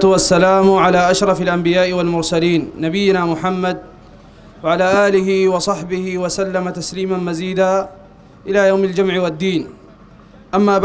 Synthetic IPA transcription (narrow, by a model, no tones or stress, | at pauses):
t̪ʊwasːalaːmʕalaːʔaʃɾˤɑfalʔambɪjaːʔɪwalmʊɾsaliːnːabɪjːɪnaːmʊħamːad̪̚ | waʕalaːʔaːlɪɦɪwɑsˤɑħbɪhɪwasalːamat̪asliːmanmaziːd̪aː | ʔɪlaːjawmald͡ʒʊmʕɪwad̪ːiːn | ʔamːaːb